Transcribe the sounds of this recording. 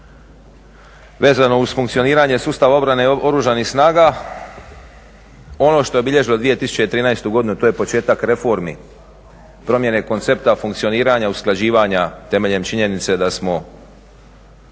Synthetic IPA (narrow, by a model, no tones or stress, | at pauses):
ʋe̞ːzano̞uzfuŋkt̪sioniːɾaɲe̞suːst̪aʋao̞bɾane̞o̞ɾuʒanixsnaːɡa | o̞no̞ʃt̪o̞je̞biʎe̞ʒilo̞d̪ʋijet̪isu̥t͡ɕe̞jt̪ɾiːnaest̪uɡo̞d̪inut̪oje̞po̞t͡ʃe̞ːt̪akɾe̞fo̞ɾmḭ | pɾo̞mje̞ne̞ko̞nt̪se̞pt̪afuŋkt̪sio̞niːɾaɲausklad͡ʑiːʋaɲat̪e̞me̞ʎe̞mt͡ʃiɲe̞nit̪se̞d̪asmo̞